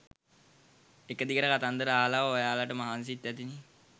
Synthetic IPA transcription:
ekəd̪ikəɾəkat̪and̪əɾəaːlaʋaʋojaːlaʈəmaɦans̬it̪ːæt̪ini

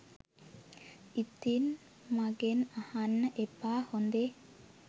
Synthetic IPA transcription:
it̪in | maɡenahanːəʔepaːhond̪e

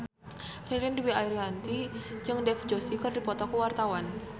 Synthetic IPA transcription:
riɾɪnduwiaiɾɦant̪id͡ʒɨŋdɛfd͡ʒosikərdipɔt̪ɔkəwart̪awan

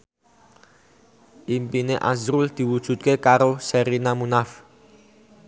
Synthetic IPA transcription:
impineʔa̰zɾuld̪̥i̤wud̥ʒ̥ṳt̪̚kekaɾosɛɾinamunaf

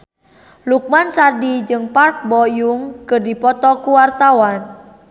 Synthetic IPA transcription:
luk̚mansadid͡ʒɨŋpark̚bɔjuŋkɨrdipɔt̪ɔkuwart̪awan

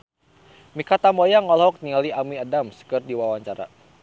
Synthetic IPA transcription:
mikat̪amɔjaŋɔlɦɔk̚nialiamiadamskɨrdiwawaɲt͡ʃaɾa̰

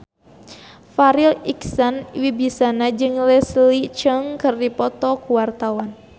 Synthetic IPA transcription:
faɾiliksanwibisanad͡ʒɨŋlɛslit͡ʃəŋkɨrdipɔt̪ɔkuwart̪awan

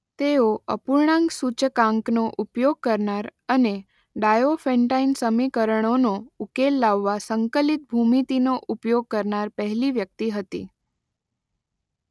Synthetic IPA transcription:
t̪eoəpuɾɳãŋɡsut͡ʃəkãŋknoʔupjoɡ̚kəɾnaɾəne | ɖajofẽɳʈainsəmikəɾəɳ̃onoukelːaʋːasəŋkəlit̪̚bʱumit̪inoʔupjoɡ̚kəɾnaɾpəɦliʋjək̚t̪iɦət̪ḭ

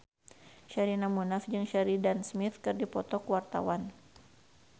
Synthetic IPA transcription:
ʃaɾinamunafd͡ʒɨŋʃaɾidansmɪt̪kɨrdipɔt̪ɔkwart̪a̰wan

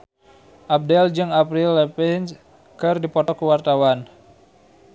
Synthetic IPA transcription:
ʔap̚dɛld͡ʒɨŋapɾilːɛpɛns | kɨrdipɔt̪ɔkuwart̪awan

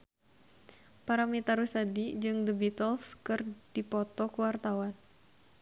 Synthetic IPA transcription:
paɾamit̪aɾusadid͡ʒɨŋd̪əbit̪ɔlskɨrd̥ipɔt̪ɔkəwart̪awan

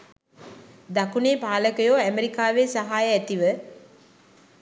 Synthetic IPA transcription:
d̪akuneːpaːləkəjoːæmeɾikaːʋesaɦaːjəæt̪iʋə

